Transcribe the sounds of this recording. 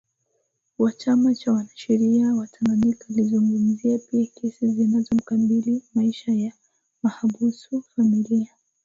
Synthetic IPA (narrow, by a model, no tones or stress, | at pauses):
wat͡ʃamat͡ʃawanaʃɛɾiawatʰananikalizuŋɡum̩ziapiakɛsizinazɔm̩kabilimaiʃaja | mahabusufamilia